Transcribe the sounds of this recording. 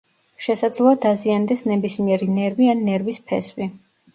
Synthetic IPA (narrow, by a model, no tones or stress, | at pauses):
ʃɛsad̪zlˠɔad̪aziand̪ɛsnɛbismiɛɾinɛɾvianːɛɾvispʰɛ̰swi